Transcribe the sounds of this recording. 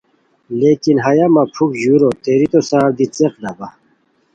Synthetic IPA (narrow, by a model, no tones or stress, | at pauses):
leːkinɦɐjamɐpʰukʑuɾot̪eːɾit̪osaːɾd̪it͡seqd̪aba